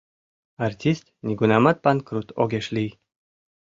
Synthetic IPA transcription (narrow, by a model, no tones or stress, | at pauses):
art̪ʲist̪nʲiɡunamat̪̚pankɾut̪ʰoɡʲeʃlʲij